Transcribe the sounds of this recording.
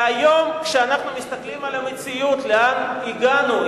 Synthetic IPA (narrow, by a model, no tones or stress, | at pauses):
ajo̞mkʃeanaχnumist̪aklimalamet͡sijut̪leaniɡanul